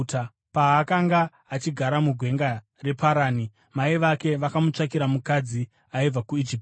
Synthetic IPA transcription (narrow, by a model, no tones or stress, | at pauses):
ta | paːkaŋɡaː | t͡ʃiɡʱaɾamuɡʱwe̞ŋɡa | re̞pʰaɾaːni | maiʋake̞ʋakamut͡ʂakiɾamukad͡zi | aib͡vakuid͡ʒiːp̚